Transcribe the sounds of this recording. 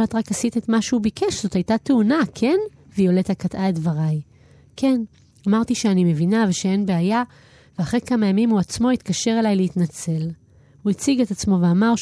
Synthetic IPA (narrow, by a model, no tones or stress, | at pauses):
lat̪ʁakasit̪etmaʃeubikeʃz̥o̞tajtateunakʰe̞n | vijoletakatʔaetvaʁaj | kʰe̞n | amaʁt̪iʃeanime̞vinaveʃee̞nbeaja | veaχʁejkamajamimuat͡smo̞it̪kaʃe̞ʁelajleitnat͡se̞l | huit͡siɡe̞tat͡smo̞ve̞amaʁ